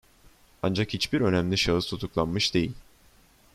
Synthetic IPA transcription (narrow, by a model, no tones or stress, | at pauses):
and͡ʒakhit͡ʃbiɾø̞næmlʲiʃaɯzt̪ʰut̪ʰuklˠanmɯʃd̪e̞jilʲ